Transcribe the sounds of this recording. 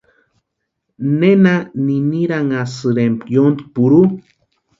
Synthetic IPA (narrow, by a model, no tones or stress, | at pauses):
nenaniniɾaŋasɨɾempjond̪i̥puɾu